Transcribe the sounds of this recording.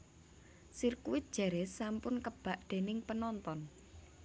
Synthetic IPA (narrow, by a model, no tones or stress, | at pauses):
sirkuwɪt̪̚d̥ʒ̥ɛ̤ɾɛsampʊnkəb̥ä̤ʔd̪̥e̤nɪŋpənɔnt̪ɔn